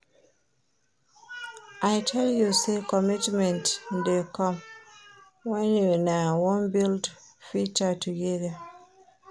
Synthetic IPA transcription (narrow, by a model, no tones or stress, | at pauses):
ʔajtʰɛljusekɔmitmɛ̃ntdekɔ̃m | wɛ̃njunawɔ̃nbildfit͡ʃatʰuɡɛða